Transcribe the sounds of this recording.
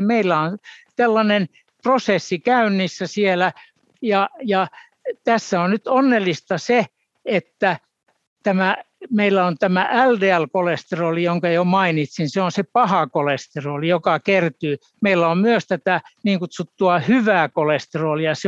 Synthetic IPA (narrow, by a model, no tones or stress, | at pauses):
meilːæonselːɑnen | prosesːikæynːisːæsielæ | jɑjɑ | t̪æsːæonnyt̪onːelːist̪ɑse | et̪ːæ | t̪æmæmeilːæont̪æmæʔældeælkolest̪eroːlijoŋkɑjomɑinit̪sinseonsepɑhɑkolest̪eroːlijokɑkert̪yː | meilːæommyøst̪æt̪æniːŋkut̪sut̪ːuɑhyʋæːkolest̪eroːlijɑse